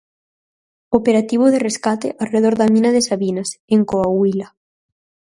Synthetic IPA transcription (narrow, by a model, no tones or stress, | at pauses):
opeɾat̪iβ̞oðereskat̪eʔareð̞oɾðamĩnaðesaβinaseŋkoawila